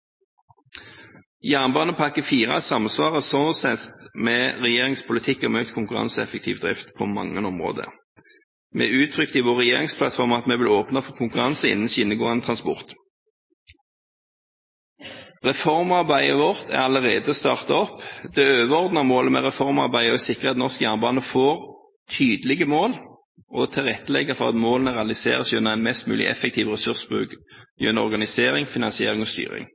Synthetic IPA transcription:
jæːʁnbɑːnəpʰɑkːəfiːʁɑ̰t̪sɑmsʋɑːʁəsɔnsɛt̪meːʁɛjeːʁɪŋspʰʊlɪt̪ʰɪkːɔmœkt̪kʰʊŋkʉʁɑ̰nsəɛ̰fək̚t̪ʰḭːʋd̪ʁɪft̪pʰoːmɑ̰ŋːənɔmʁo̰ːd̪ə̰ | mḛːʉːt̪ʰʁʏkt̪iːʋoːʁɛjeːʁɪŋspʰlɑt̪fɔʁmɑt̪meːʋɪloːpnɑfɔʁkʰʊŋkʉʁɑnsəɪ̰nənɕɪnəɡoːənət̪ʰʁɑnspɔ̰ʁt̪ | ʁɛfɔʁmɑʁbæɪəʋɔʁt̪ʰæ̰ʁɑləʁeːd̪əst̪ɑːʁt̪ɑɔpd̪ɛøːʋəɔʁd̪nəʁmoːləmɛ̰ʁɛfɔʁmɑ̰ʁbæɪɔɛsɪkːʁəɑt̪nɔʁskjæʁnbɑːnəfoːʁ | t̪ʰyːd̪əlɪɡəmoːl | ɔt̪ʰɪlʁɛt̪ːəlɛɡəfɔʁɑ̰t̪moːlənəʁɛɑlɪsḛːʁəsjʉnːəæɪnmɛst̪mʉ̰ːlɪ̰ʔɛ̰fɛkt̪ʰiːʋʁɛsʉʁsbʁʉ̰ːkjœnɔ̰ʁɡɑnɪseːʁɪŋfɪnɑnsɪeːʁɪŋɔst̪y̰ːʁɪ̰ŋ

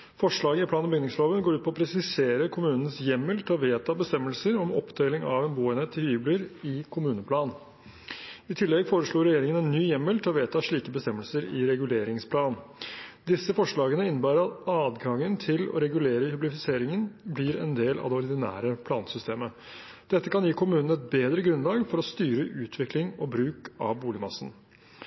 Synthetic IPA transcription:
fɔʂɭɑːɡəɪpʰlɑːnbʏɡnɪŋsloːʋənɡoːɾʉːt̪̚pʰɔɔpʰɾɛsɪseːɾəkʰʊmʉːnən̩sjɛmːəlt̪ʰɑʋeːt̪ɑbəst̪ɛmːəlsəɾɔmɔ̰pd̪eːlɪŋɑʋɛːnbuːɛnət̪ʰːɪhyːbləɾɪkʰʊmʉːnəpʰlɑːn | ɪt̪ʰɪlːɛɡfoːɾəʂɭoːɾɛjeːɾɪŋənɛnːyːjɛmːəlt̪ʰɔʋeːt̪ɑʂɭiːkəbəst̪ɛmːəlsəɾɪ̰ɾɛɡʉleːɾɪŋspʰlɑːnd̪ɪsːəfɔʂɭɑːɡənəɪnːəbæːɾəɾɑt̪ɑːd̪ɡɑŋːənt̪ʰɪlɔ̰ɾɛɡʉleːɾəhʉblɪfɪseːɾɪŋənblɪɾɛ̰nd̪eːlʔɑ̰ʋd̪ɛʊɾd̪ɪnæ̰ːɾəpʰlɑ̰ːnsʏst̪eːmə | d̪̥ɛt̪ːəkɑnjiːkʰʊmʉːnən̩ɛt̪̚beːd̪ɾəɡɾʉnlɑːɡfɔɾɔst̪yːɾəʔʉːt̪ʰʋɪklɪŋɔbɾʉːkɑ̰ʋbuːlɪmɑsːn̩

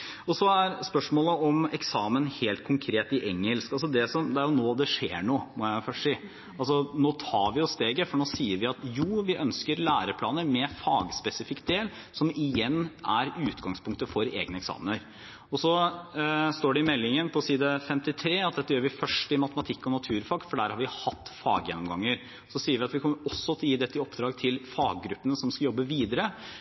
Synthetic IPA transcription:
ɔsɔæɾspœʂmoːləɔmɛksɑːmənheːlt̪̚kʰʊŋkʰɾeːt̪ɪʔɛŋːəlskɑlsɔd̪ɛsɔmd̪ɛæɾjʊnoːd̪ɛʂeːɳoːmɔæɪfœʂiː | ɑlsɔnoːt̪ʰɑːɾʋɪjʊst̪eːɡəfɔɳoːsiːəɾʋɪɑt̪juːʋɪʔœnskəɾlæːɾəpʰlɑːnəɾmɛfɑːɡspɛsɪfɪkt̪̚d̪eːl | sɔmɪjɛnːʔæɾʉːt̪ɡɑŋspʰʊŋkt̪əfɔɾḛːɡnəɛksɑ̰ːmənəɾ | ɔsɔ | st̪oːɖɛɪmɛlːɪŋənpʰɔsiːd̪əfɛmt̪ɪt̪ʰɾeːɑt̪̚d̪ɛt̪ːəjøːɾʋɪfœʂʈɪmɑt̪əmɑt̪ʰɪkːɔnɑt̪ʰʉːɾfɑːɡ̪fɔɖæːɾhɑɾʋɪhɑt̪ːfɑ̰ːɡjɛ̰nːɔmɡɑŋːəɾ | sɔsiːəɾʋɪɑt̪ʋɪkʰɔmːəɾɔsːɔt̪ʰɪljiːd̪ɛt̪ːɪɔpd̪ɾɑːɡt̪ʰɪlfɑːɡːɾʉpːənəsɔmskɑjɔbːəʋiːd̪əɾə

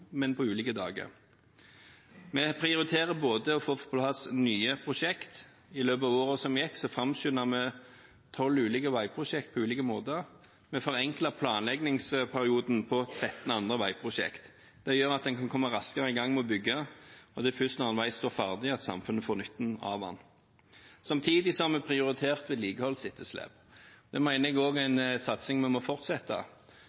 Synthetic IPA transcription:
mɛnpʰɔʉːlɪːkəd̪ɑ̰ːɡə̰ʁ | mɛpʰʁɪʊɾɪt̪ʰeːʁəboːd̪əɔfoːfʊ̥t̪̚bɑlhɑsnyːəpʰʁʊʃɛkt̪ | ɪløːbɑʋoːʁəsɔmjɛkːsɔfʁɑmʃʏnəʁmɛ | t̪ʰɔlːʉːlɪkəʋɑɪpʰʁʊʃɛkt̪̚pʰɔʉːlɪkəmoːd̪ə | mɛfɔʁɛŋkləpʰlɑːnlɛɡnɪŋspʰæʁɪuːd̪n̩pʰɔt̪ʰʁɛt̪ːn̩ɑnd̪ʁəʋɑɪpʰʁʊʃɛ̰kt̪ | d̪̥ɛjøːʁɑt̪̚d̪ɛnkʰɑnkʰɔmːɑɾɑskəʁəɪɡɑŋːmɛɔbʏɡːəɔd̪ɛfʏst̪nɑːnʋæɪst̪oːʁfɑʁd̪ɪɑt̪sɑ̰mfʉnːəfoːʁnʏt̪ːn̩ɑ̰ʋɑ̰n | sɑmt̪ʰiːd̪ɪsɔhɑʁmɛpʰʁɪʊʁɪt̪ʰeːʁt̪ʋɛːd̪liːɡəhɔlsɪt̪ʰːəslɛ̰p | d̪ɛmæɪnəɛɡoːɡæɪnsɑt̪sɪŋmɛnmɔfɔʁt̪sɛt̪ːɑ̰

